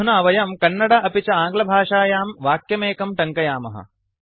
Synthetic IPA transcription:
unɐɐʋɐjɐmkɐnːɐɽɐʔɐpit͡ʃɐaːŋɡlɐbʱaːʂaːjaːmʋaːkjɐmeːkɐmʈɐŋkɐjaːmɐ̰ɦɐ̰

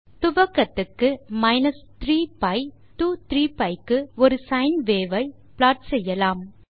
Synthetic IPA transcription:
t̪ʊʋɐkːɐt̪ːɯkːɯmɐɪnɐst̪ɾiːpɐɪ | ʈuːt̪ɾiːpɐɪkːɯɔɾɯsɐɪnʋeːʋɐɪ | plaːʈsɛjːɐlaːm

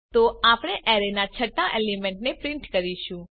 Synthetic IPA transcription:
t̪oapɽ̃eʔɛɾenat͡ʃʰəʈːaʔelimɛ̃ɳʈnepɾɪ̃ɳʈkəɾiʃũ

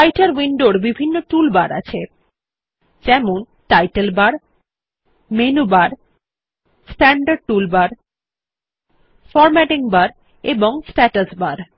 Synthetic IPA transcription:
ajʈaɾwinɖoɾbibʱinːoʈulbaɾa̰t͡ɕʰe | d͡ʑɛmon | ʈajʈelbaɾ | menubaɾ | sʈɛɳɖaɾɖ̚ʈulbaɾ | fɔɾmɛʈiŋbaɾ | eboŋsʈɛʈəsbaɾ

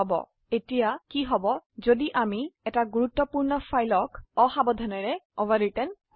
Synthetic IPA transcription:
ɔbɔ̰ | etijakiɦɔbɔzodiʔamiɛtaɡuɹut̪ːɔpuɹnɔfʰajlɔkɔxabɔd̪ʱanɛɹɛɔvaɹitɛn

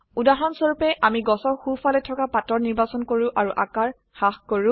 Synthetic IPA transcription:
udaɦɔnsoɹupɛʔamiɡɔsɔɹxufʰalɛtʰɔkapatɔɹniɹbasɔnkoɹʊ̃ʔaɹuʔakaɹ | xaxkoɹʊ̃

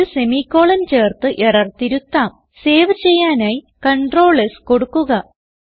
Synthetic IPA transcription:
se̞miːkːo̞ːɭɐnt͡ɕe̞ːrt̪ɨʔeɽɐrt̪iɾut̪ːaːm | se̞ːʋɨt͡ɕe̞jːaːnaːji | kɐɳɖro̞ːɭesko̞ɽukːuɣɐ

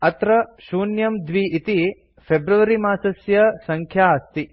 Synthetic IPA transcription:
ɐt̪ɾɐʃuːnjɐmd̪ʋiit̪i | pʰebɾuʋɐɾimaːsɐsjɐsɐŋkʰjaːst̪i

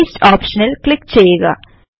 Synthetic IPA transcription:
sʈaːpʃɐnɐlklɪkːt͡ɕɐjːeɡɐ̰

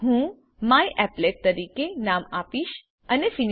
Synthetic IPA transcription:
ɦũ | majʔɛpleʈ̚t̪əɾikenamapiʃ | ənefin

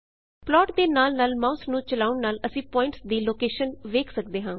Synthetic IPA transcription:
plɔːʈd̪eːnaːlnaːlmaːʊsnũːt͡ʃəlaːʊɳnaːləsĩːpɔːɪ̃ɳʈsd̪iːloːkeːʃənʋeːkʰsək̚d̪eːɦãː

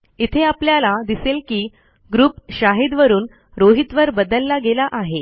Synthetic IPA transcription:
it̪ʰeapljalad̪iselkiː | ɡɾuːpɕaɦid̪ʋəɾuːn | ɾoɦit̪ʋəɾbəd̪əlːaɡelaʔaɦe

